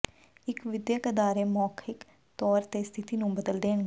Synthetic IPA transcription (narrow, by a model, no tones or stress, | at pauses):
ɪkʋɪd̪jəkəd̪aːɾeːmɔːkʰɪk | t̪ɔːɾt̪eːst̪ʰɪt̪iːnũːbəd̪əld̪eːɳ